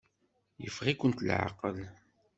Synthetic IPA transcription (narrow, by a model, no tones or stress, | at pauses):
jə̰fʁikʷənt̪lʕa̰qəl